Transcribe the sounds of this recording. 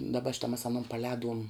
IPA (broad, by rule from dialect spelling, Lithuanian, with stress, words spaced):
dɐˈbɐ ˈʃʲɪtɐ mɐs ɐˈnoːn pɐˈlʲɛːduɔm